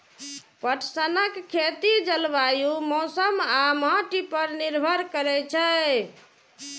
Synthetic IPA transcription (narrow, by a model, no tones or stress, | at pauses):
pəʈʰsənəkʰːet̪id͡ʒəlʋajumɔsəmamãʈipəɾniɾbʱəɾkəɾɛt͡ʃʰɛ